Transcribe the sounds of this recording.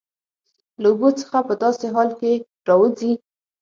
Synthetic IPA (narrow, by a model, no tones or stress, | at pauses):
lauɡot͡sə̥xapəd̪ɑseɦɑlke | ɾɑwəzi